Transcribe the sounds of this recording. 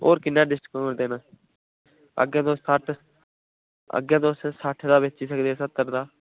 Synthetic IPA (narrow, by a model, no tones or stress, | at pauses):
o̰ːɾkɪnːaːɖɪsʈkənd̪eːnãː | ə̰ɡãːd̪oaʈʰ | ə̰ɡjãːd̪oːssaːʈʰd̪aːbet͡ʃiːs̬əkd̪eːsət̪ːəɾd̪aː